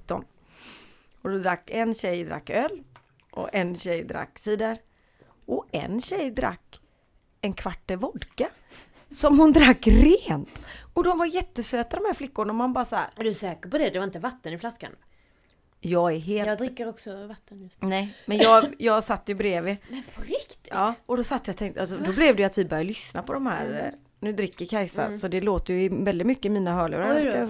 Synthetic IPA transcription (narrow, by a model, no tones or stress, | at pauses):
t̪ːɔ̰n | ɔd̪ɔd̪ɾakːɛnɕɛjd̪ɾa̰kːœːl | ʔɔ̰ʔɛnɕɛjd̪ɾa̰kːsɛd̪æɾ | ɔɛ̰nɕɛjd̪ɾa̰kː | ɛnkʰvaʈːəvɔd̪ka | sɔmhʊnd̪ɾakːɾeːnt̪ɔd̪ɔmvaɾjɛt̪ːəsøːt̪ad̪ɔmhæːɾflɪkːʊɳaɔmanbɑːɾasahæ̰ːɾd̪ɵsɛːkəɾpɔd̪ɛd̪ɛvaɾɪnt̪əvat̪ːənɪflaska̰n | jɑːɡɛɾɦeːld̪ɾɪkːəɾɔksɔvat̪ːənjnɛjmɛnjjɑːjɑːɡsat̪ːəjɵbɾeːvɪpʰɾɪkt̪ɪɑːɔd̪ɔsat̪ːəjɑt̪ʰɛŋkt̪əasɔd̪ɔblɛvd̪ɛjʉat̪vɪbœɾjad̪lʏsnapʰɔd̪ɔmhæ̰ːɾ | nʉ̟ːd̪ɾɪkːəɾkʰajsa̰sɔd̪ɛloːt̪əɾjɵɪvɛld̪ɪt̪mʏkːəɪmiːnaɦœːɭḛɾa